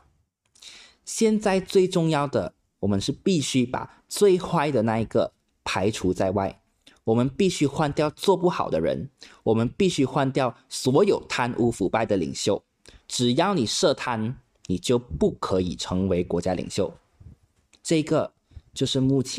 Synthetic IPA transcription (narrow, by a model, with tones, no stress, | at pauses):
ɕjɛ˥˧nt͡sa˥˧ɪt͡swe˥˧ɪʈ͡ʂʊ˥˧ŋjɑ˥˩ʊd̪ə̰˩ | wɔ˨˩mə˦nʂɻ̩˥˧pi˥˧ɕy˥pa̰˨˩ | t͡swe˥˧ɪxwa˥˧ɪd̪ə˨na˥˩i˧˥ɡə̰˨ | pʰa˧˥ɪʈ͡ʂʰu˧˥t͡sa˥˧ɪwa̰˥˩ɪ | wɔ˨˩mə˧˦npi˥˩ɕy˥˧xwa˥˧nt̪jɑ˥˧ʊt͡swɔ˥˧pu˥˩xɑ̰˨˩ʊd̪ə˦ɻə̰˧˥nwɔ˨˩mə˦npi˥˧ɕy˥˧xwa˥˧nt̪jɑ˥˩ʊswɔ˧˥jo˨˩ʊt̪ʰa˥nʔu˥fu˧˥pa˥˩ɪd̪ə˩lḭ˨˩ŋɕjo˥˩ʊ | ʈ͡ʂɻ̩˨˩jɑ˥˩ʊni˨˩ʂɤ˥˧˩t̪ʰa˥n | ni˨˩t͡ɕjo˥˧ʊpu˥˩kʰɤ˧˥ḭ˨˩ʈ͡ʂʰɤ˧˥ŋwe˧˥ɪkwɔ˧˥t͡ɕja˥lḭ˨˩ŋɕjo˥˩ʊ | ʈ͡ʂɤ˥˧˩i˧˥ɡə˨ | t͡ɕjo˥˧ʊʂɻ̩˥˧mu˥˩t͡ɕʰ